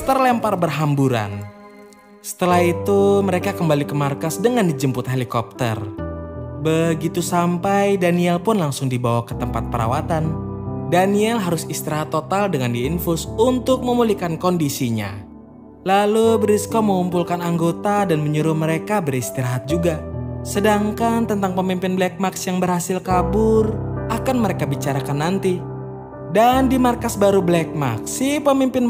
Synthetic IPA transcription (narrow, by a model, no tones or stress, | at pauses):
ə̥t̪ərlɛmparbərɦambuɾa̰n | sə̥t̪əlahit̪uməɾekakəmbalikəmarkasdəŋandid͡ʒəmpʊt̪ɦelikɔp̚t̪ə̰r | bəɡit̪usampajdaniɛlpʊnlaŋsʊŋdibawakə̥t̪əmpat̪̚pəɾa̰wat̪andaniɛlɦaɾʊsist̪iɾaɦat̪ːot̪aldəŋandiːnfʊsunt̪ʊk̚məmulikankɔndisiɲa̰ | lalubəɾiskoməŋumpulkanaŋɡot̪adanməɲuɾʊhməɾekabəɾist̪iɾaɦat̪̚d͡ʒuɡasədaŋkant̪ənt̪aŋpəmimpɪnblɛk̚maksjaŋbərhasɪlkabʊrʔakanməɾekabit͡ʃaɾakanːant̪i | dandimarkasbaɾublɛk̚ma̰ksːipəmimpɪn